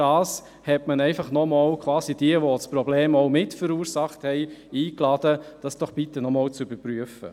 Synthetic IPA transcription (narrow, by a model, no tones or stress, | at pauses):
ɑːs | hɛtmənɛɪfɑχnɔmɑwkʰwɑːsid̥iəʋɔspɾɔbleːmɔʊmɪtfəɾuːɾsɑχthɛɪiːklɑd̥əd̥ɑsd̥ɔχb̥itənɔmɔːlt͡sybəɾpɾyəfə̰